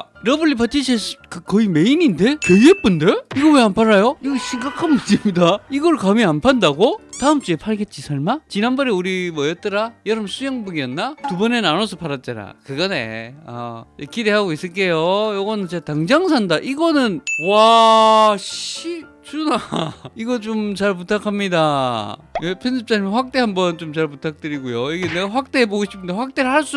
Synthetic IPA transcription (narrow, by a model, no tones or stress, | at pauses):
ɾʌbɯɭːipat͈ʰiɕʰeskɯkʌime̞ininde̞keep͈unde̞piɡomeanpʰaɾajoiɡɕʰiŋɡakʰanmundimɲidaiɡʌɭkameanpʰandaɡotaɯmt͡ɕuepʰaɭɡet̚t͡ɕ͈isʰaɭmat͡ɕinanbʌɾeuɾimʌjʌt̚t͈ɯɾajʌɾɯmsʰujʌŋbɯɡiʌnːatubʌnennanosʰʌpʰaɾat̚t͡ɕ͈aɾa̰kɯɡʌnḛa̰ekide̞ɦaɡois͈ɯɭk̬͈ejojʌɡʌnɯnt͡ɕetaŋd͡ʑaŋs̬ʰandaʔiɡʌnɯnwa | ɕi | t͡ɕ͈unaiɡʌt͡ɕomt͡ɕaɭp̬utʰakʰamɲida | jepʰensʰɯp̚t͡ɕ͈aɲimnɸwak̚t͈e̞ɦambʌnt͡ɕomt͡ɕaɭputʰak̚t͈ɯɾiɡojoiɡeneɡaɸwak̚t͈e̞eboɡoɕʰi̥pʰːɯndeɸwak̚t͈eɾɯɭhaɭs͈u